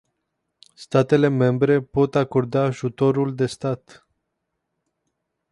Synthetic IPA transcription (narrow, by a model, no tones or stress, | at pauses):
st̪at̪e̞le̞me̞mbɾe̞po̞t̪ako̞rd̪aːʒut̪o̞ɾuld̪e̞st̪at̪